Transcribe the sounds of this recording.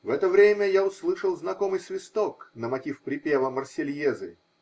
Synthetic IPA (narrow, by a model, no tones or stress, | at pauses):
vɛt̪əvɾʲemʲəjaʊslˠɨʂəlˠznɐkomɨjsvʲɪst̪oknəmɐtʲifpɾʲɪpʲevəmərsʲɪlʲjezɨ̰